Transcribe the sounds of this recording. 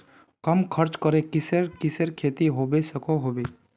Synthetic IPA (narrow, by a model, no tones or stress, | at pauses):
kəmkʰəɾt͡ʃkəɾekɪseɾkɪseɾkʰeːt̪iɦoːbesəkʰoɦobe